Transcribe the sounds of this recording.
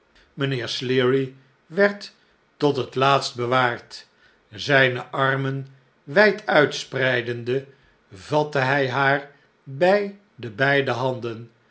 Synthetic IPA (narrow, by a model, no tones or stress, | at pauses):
mənɪːɹslɪɹi | ʋɛɹtː | ɔtɦətlaːtst̚bəʋaːɹt | zɛjnəʔɑɹmən | ʋɛjtʰœɥtsprɛjdəndə | vɑtəɦɛjɦaːɹ | bɛj | dəbɛjdəɦɑndən